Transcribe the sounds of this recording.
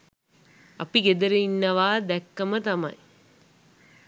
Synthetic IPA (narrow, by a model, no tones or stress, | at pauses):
ɐpiɡed̪ɐɾɐinːɐʋaːd̪ɛkːɐmɐt̪ɐmɐ̰j